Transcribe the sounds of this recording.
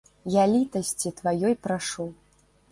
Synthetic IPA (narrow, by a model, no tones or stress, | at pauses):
jalʲit̪ɐsʲt͡sʲit̪vajɔjpɾaʂɔw